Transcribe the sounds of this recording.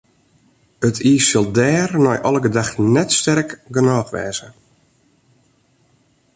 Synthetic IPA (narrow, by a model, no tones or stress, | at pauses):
ətiːsɪlˠdɛːrnɔjʔɔlˠəɡədaxtnɛtstɛrkɡənɔːxʋɛ̰ːzə